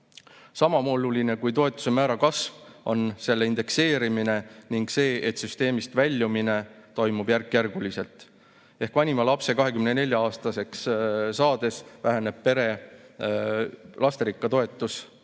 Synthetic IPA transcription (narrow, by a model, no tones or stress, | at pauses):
sɑmɑmoluline̞kujt̪o̞e̞t̪ːˑu̥se̞mæːɾɑkɑsvo̞nse̞lːeind̪̥e̞kse̞ːɾimine̞niŋɡ̥se̞ːʔet̪syst̪e̞ːmist̪vælʲːjumine̞t̪o̞jmub̥jærkːjærɡ̥ulise̞lt̪ˑ | e̞hkvɑnʲimɑlɑpse̞kɑɦe̞kymnene̞lʲjɑɑːst̪ɑse̞kssɑːd̪e̞svæɦene̞b̥̚pe̞ɾe̞ | lʔɑst̪eɾikˑːɑt̪o̞e̞t̪ːˑus